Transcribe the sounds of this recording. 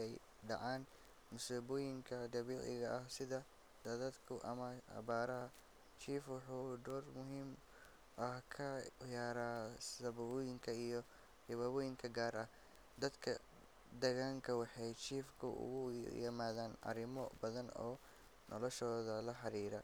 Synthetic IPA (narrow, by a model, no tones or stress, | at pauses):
ɛj | ɖɑʕaːn | mʊsuːβɔːjɪŋkʰɐd̪ɐβiːʕɪ̰ɣɐʔɐhsɪðɐ | d̪̥ɐðaːd̪kʰʊʔɐ̰mɐɐ̰βaːɾɐɦɐ | t͡ʃʰiːfwɑħuːd̪ɔːrmʊɦiːm | ʔɐhkʰɐjaːɾaːsɐβɐβɔːjɪŋkʰɐijɞ | hɪβɐβɔːjɪŋkʰɐɡaːɾɐh | d̪ɐd̪kʰɐ | d̪ɐɣaːŋkʰɐwɑħɑjt͡ʃʰiːfkʰʊʔʊ̰ɣʊjɪmaːðaːnʔɐ̰ɾɪmɔbɐðɐnɔ̰ː | nʔɔlɔʃɔːðɐlɐħɑɾiːɾɐ